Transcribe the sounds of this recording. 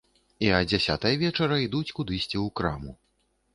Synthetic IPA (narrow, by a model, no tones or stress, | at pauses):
iɐd͡zʲasʲa̰t̪ɐjɐvʲɛt͡ʂɐɾɐid̪ut͡sʲkud̪ɨsʲt͡sʲiwkɾamu